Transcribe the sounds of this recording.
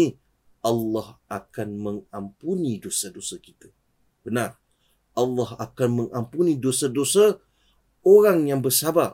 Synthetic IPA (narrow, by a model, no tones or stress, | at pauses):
i | ʔɑlːɑhakanmə̃ŋampunidosadosakit̪ḁ | b̥ənar | ɑlːɑɦakanmə̃ŋampunidosadosa | oɾaŋjaŋbərsaba